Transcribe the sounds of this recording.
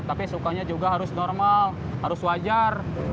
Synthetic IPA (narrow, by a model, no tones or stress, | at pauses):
t̪apisukaɲad͡ʒuɡaɦaɾʊsnɔrmal | haɾʊswad͡ʒar